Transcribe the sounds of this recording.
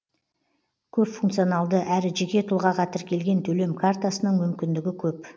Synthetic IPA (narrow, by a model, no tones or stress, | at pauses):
kʲʰɵpfuŋkt̪sijonɑlˠd̪əʔæɾɪʒe̞kʲe̞t̪ʰʊlˠʁɑqɑt̪əɾkʲʰe̞lɡʲe̞nt̪ʰɵle̞mkʰart̪asənəɴmʏmkʲɪnd̪ɪɡʲɪkʲʰɵp